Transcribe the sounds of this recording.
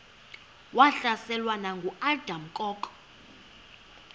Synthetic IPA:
waɬasɛlwanaŋɡʱuald̥ʱam̩kʼɔːkʼɔ̥

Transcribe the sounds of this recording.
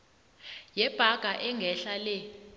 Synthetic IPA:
jɛb̥ʱaɡ̥ʱaʔɛŋɡʱɛɬalɛ

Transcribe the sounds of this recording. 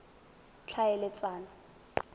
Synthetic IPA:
t͡ɬʰajɛlɛt͡sʼaːnɔ

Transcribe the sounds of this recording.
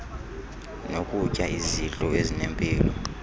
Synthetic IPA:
nokʼucʼaiziɬʼɔezinempʼiːlɔ

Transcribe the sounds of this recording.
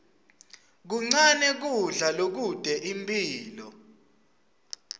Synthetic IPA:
k̬uŋ͡ǀanɛk̬uɮalok̬ud̥ʱɛʔimpʼiːlɔ

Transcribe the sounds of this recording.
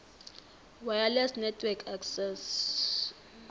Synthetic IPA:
wajalɛsnɛtʰwɛkʰaksɛs

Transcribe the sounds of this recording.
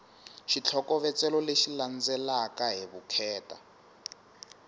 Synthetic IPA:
ʃit͡ɬʰɔkɔβɛt͡sɛlɔleʃiland͡zɛlakaɦiβukʰɛːta̰

